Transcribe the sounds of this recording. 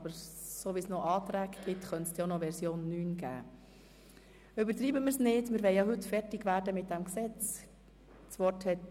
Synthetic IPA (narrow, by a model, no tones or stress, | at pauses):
ɑbəɾsoʋisnɔʔɑːt̪ɾæːɡɡ̥ɪtχœntsd̥̪jonɔʋɛɾsjoːnːyːnɡæ̰ː | ʏbəɾtɾiːbəməɾsnɪːdmɪːɾʋɛɪjɑɦɵtfɛɾtɪɡʋæːɾdəmɪt̚d̥ɛmksɛt͡s | t͡sʋɔɾthɛt